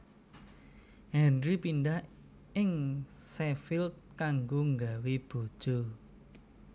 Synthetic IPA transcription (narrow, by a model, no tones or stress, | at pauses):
hɛnɾipinɖah | ɪŋsɛfɪlt̪̚kaŋɡoŋɡaweb̥o̤d̥ʒ̥o